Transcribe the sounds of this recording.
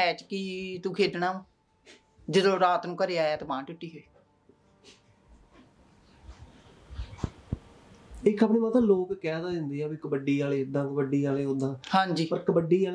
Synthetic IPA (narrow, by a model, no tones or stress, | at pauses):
ɛːt͡ʃkit̪ũːkʰeːɖnãː | d͡ʒəd̪õːɾaːt̪nũːkəɾeːaːaːt̪emãːʈʊʈːiːɦoːiː | ɪkʰːəpniːmət̪ãːloːkkɛːd̪aːd͡ʒɪ̃nd̪eːɛːbiːkəbəɖːiːaːleːɪd̪ãːkəbəɖiːaːleːɦõːd̪ãːhãːɲd͡ʒiːpəɾkəbəɖːiːaː